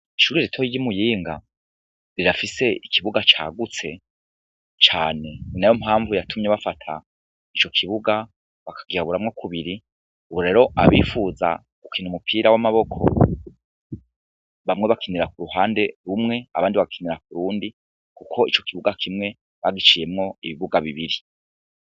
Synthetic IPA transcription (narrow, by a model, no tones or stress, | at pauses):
iʃuːɾiɾetʰoiɟimujiːŋɡa̰ | ɾiɾafise̞ikʰiβuɡat͡ʃa̰ːɡut͡se̞ | t͡ʃaːne̞najomhaːɱvujatʰumɲeβafatʰa̰ | it͡ʃo̞kʰiβuɡa | βakʰḁɡiɾaβuɾamŋo̞kʰuβiɾi | uβuɾe̞ɾo̞ʔa̰βiːfuza̰ | kukiːn̥umupʰiːɾawamaβo̞kʰo̞̰ | βamŋe̞βakʰiniɾakuɾuhaːnde̞ɾumŋe̞aβaːndiβaɡakʰiniɾak̚uɾuːndi | kukʰo̞it͡ʃo̞̥kiβuɡakʰimŋe̞ | βaɡit͡ʃije̞mŋo̞iβiβuɡaβiβiɾi